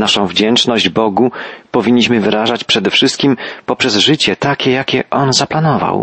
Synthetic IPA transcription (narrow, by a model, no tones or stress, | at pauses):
naʂɔ̃w̃vd͡ʑɛnt͡ʂnɔʑd͡ʑbɔɡupɔvʲiɲːiɕmɘvɘɾaʐat͡ɕpʂɛd̪ɛfʂɘst̪̚kʲimpɔpʂɛzʐɘt͡ɕɛt̪akʲɛjakʲɛʔɔnzaplanɔva̰w